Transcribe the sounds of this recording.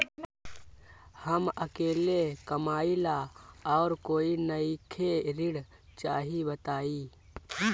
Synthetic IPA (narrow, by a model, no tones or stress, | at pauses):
həməkeːlekəmaːilaɔːɾkoːinəikʰeɾɪɽ | t͡ʃaːɦibət̪aːiː